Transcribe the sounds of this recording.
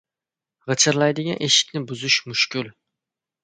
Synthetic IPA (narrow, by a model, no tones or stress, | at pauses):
ʁət͡ʃʰɨɾlˠɑjd̪ɪɡʲɑnʔeʃɪ̥kʲnɪbuzuʃmʊʃkʲyl